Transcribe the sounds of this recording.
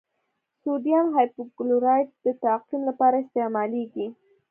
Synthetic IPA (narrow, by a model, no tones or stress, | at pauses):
sod̪jɑnɦɑjpʊɡlʊɾɑjt̚d̪̥ət̪aqimlapɑɾaɪst̪emɑleɡi